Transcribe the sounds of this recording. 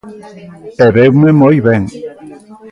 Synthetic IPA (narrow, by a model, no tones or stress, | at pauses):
eβewmemojβeŋ